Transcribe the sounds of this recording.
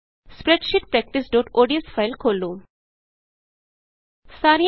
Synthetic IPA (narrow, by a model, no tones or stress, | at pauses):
spɾeʈʃiʈpɾɛk̚ʈisɖoːʈoːɖiəsfʰaɪlkʰolːu | saɾi